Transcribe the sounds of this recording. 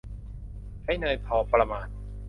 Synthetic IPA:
ha˥˩jnɤː˧jpʰɔː˨˦pɾa˧maː˧˩t̪̚

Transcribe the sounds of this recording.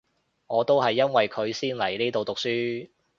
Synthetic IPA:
ŋɔː˨˧t̪o˥wɦɐ˨jːɐ˥nwɐ˨jkʰɵ˨˧ɥsiː˥nlɐ˨˩jliː˥t̪o˨˧wt̪ʊ˨k̚syː˥

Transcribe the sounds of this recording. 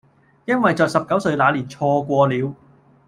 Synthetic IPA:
jɐ˥nwɐ˨jt͡sɔː˨k̚sɐ˨p̚kɐ˨˥wsɵ˧ɥlaː˨˧liː˨˩nt͡sʰɔː˧kʷɔː˧liː˨˧w

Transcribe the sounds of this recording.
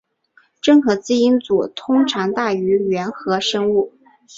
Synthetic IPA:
ʈ͡ʂɤ˥˩ŋxɤ˧˥t͡sɹ̩˥i˥nt͡su˨˩t̪ʰʊ˥ŋʈ͡ʂʰɑ˧˥ŋt̪a˥˩y˧˥ɥɛ˧˥nxɤ˧˥ʂɤ˥ŋu˥˩

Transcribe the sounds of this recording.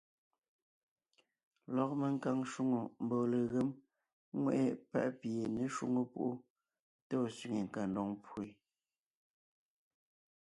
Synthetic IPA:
lɔ˨k̚me˨ŋ˦ka˦ŋʃu˦ŋo˨m̩˨bɔ˨le˨ɣe˦m | ŋwɛ˦˨ʔɛ˦pa̰˦ʔpje˨ne˦ʃwṵ˦ŋo˦pṵ˦ʔu˦ | to˦˨sɥi˨ŋe˨ŋ̩˨ka˨ndɔ˨ŋpʰu˦˨e˨

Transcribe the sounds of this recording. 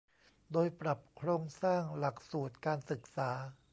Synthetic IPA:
doː˧jpɾa˨˩p̚kʰɾoː˧ŋsaː˥˩ŋla˨˩k̚suː˨˩t̪̚kaː˧nsɯ˨˩k̚saː˩˦

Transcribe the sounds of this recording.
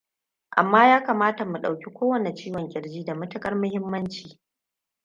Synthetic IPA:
ʔa̰˨mːaː˦jaː˦kaː˨maː˦ta˨mu˨ɗa˨wkʲi˦kʷoː˦wɐ˨ne˨t͡ʃiː˦wɔ˨ŋkʲʼɪ˨rd͡ʒiː˦da˨mɐ˦tɐ˦kʼɐ˦rmʊ˦hɪ˦mːɐ˦nt͡ʃiː˨

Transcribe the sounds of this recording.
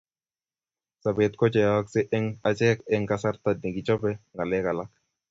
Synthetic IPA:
sa˨be˨t̪kɔ˦t͡ʃɛ˨a˦ksɪ˦ʔɛ˦ŋa˨t͡ʃɛ˦kɛ˦ŋka˨sa˦ɾt̪a˨dni˨ɡi˨t͡ʃɔ˦bɛ˦ŋɡa˨lɛ˦ka˨la˦k̚

